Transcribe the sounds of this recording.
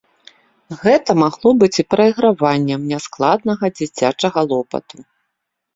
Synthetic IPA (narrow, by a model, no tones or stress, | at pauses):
ɣɛt̪ɐmaɣlˠɔbɨt͡sʲipɾɐiɣɾavanʲːɛmnʲasklˠad̪nɐɣɐd͡zʲit͡sʲat͡ʂɐɣɐlˠɔpɐ̰t̪u